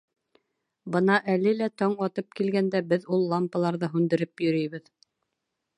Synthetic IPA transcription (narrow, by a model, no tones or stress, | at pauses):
bɤnɑʔælɘlæt̪ɒɴɒt̪ɤp̚kilɡænd̪æbɘðulˠːɑmpɑlˠɑɾðɤɦʉnd̪ɘ̆ɾɘpjɵ̆ɾɵjβɘð